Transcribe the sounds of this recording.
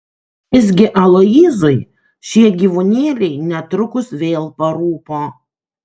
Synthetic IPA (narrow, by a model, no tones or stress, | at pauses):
jʲɪz̬ʲɡʲɪʔɐlˠoiːzɐɪ | ʃʲiɛɡʲiːʋʊnʲeːlʲɛɪnʲɛt̪ɾʊkʊsʋʲeːlˠpɐɾuːpoː